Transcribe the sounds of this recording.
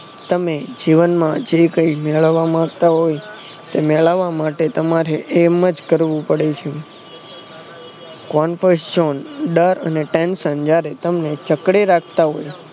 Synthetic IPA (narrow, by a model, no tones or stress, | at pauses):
t̪əmed͡ʒiʋənmãd͡ʒekə̃imɛɭəʋamãɡt̪aɦoj | t̪emɛɭaʋamaʈet̪əmaɾeʔeməd͡ʒkəɾʋũpəɽet͡ʃʰe | kɔnfəsd͡ʒɔnɖəɾə̰neʈẽnsənd͡ʒjaɾet̪əmnet͡ʃəkɽeɾakʰt̪aɦo̰j